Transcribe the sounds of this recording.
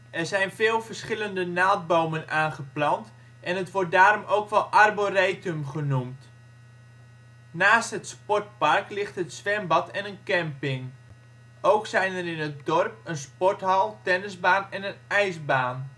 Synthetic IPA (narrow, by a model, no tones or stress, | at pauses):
ʔɛrzɛjnfɪːlˠvərsχɪləndənaːt̚bowmənaːnχəplɑnt | ʔɛnətʋɔrt̚daːrɔmoːkʋɛlˠʔarboreːtɵmχənumt | naːstɦətspɔt̚parklɪxtɦətsʋɛmbɑtʰɛnənkɛmpɪŋ | ʔowksɛjnərɪnət̚dɔrp̚ənspɔrtɦɑlˠtɛnəzbaːnɛnənɛjzbaːn